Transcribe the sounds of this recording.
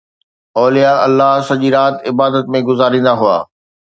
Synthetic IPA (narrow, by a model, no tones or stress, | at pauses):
ɔːlijaɐlːaɦsɐʄiːɾaːt̪ɪbaːd̪ət̪mẽɡʊzaːɾĩːnd̪aɦʊa̰ː